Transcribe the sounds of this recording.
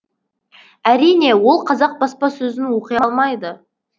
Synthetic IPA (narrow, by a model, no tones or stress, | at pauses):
æɾijne̞wo̞lˠqʰɑzɑq̚bɑspɑsɵzɪnwo̞qəjɑlˠmɑjd̪ə